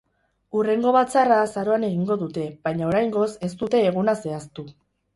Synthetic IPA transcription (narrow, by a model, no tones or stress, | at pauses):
ure̞ŋɡo̞βat͡sarasaɾo̞ane̞ɣiŋɡo̞ðut̪e̞βajɲaoɾajŋɡo̞se̞st̪ut̪e̞ːɣ̞unase̞ast̪u